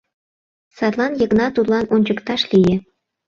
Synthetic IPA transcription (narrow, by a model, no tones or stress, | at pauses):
sɑt̪lˠɑnjɤ̆knɑt̪ut̪lɑnonʲt͡ɕə̆kt̪ɑʃlijĕ